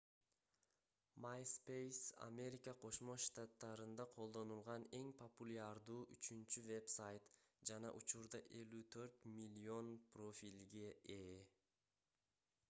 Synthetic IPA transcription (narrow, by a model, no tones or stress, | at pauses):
majspejsa̰mʲe̞ɾʲɪkəqʰo̞ʃmoʃt̪at̪ːɑɾɯnd̪ɑqʰo̞lˠd̪o̞nulˠʁɑne̞ŋpʰəpulʲaɾd̪uːʔyt͡ʃynt͡ʃyve̞psajt̪ | d͡ʒɑnɑ̰ʔut͡ʃuɾd̪ɑʔe̞lyt̪ʰø̞ɾt̪mʲilʲio̞npro̞fʲilʲɡe̞ʔe